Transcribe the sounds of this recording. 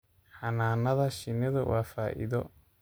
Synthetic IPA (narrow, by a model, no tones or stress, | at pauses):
ħɑnaːnɐðɐʃɪnɛðɐwʔaːfaːʔɪ̰ðɔ